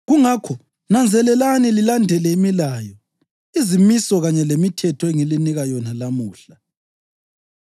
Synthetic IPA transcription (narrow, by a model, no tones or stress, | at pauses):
ɣuŋakʰɔ | nand͡zʱɛlɛlanililandʱɛlɛimilaːjɔ | izimisɔɣaɲɛlemitʰɛtʰɔeŋiliniɣajɔnalamuːɬa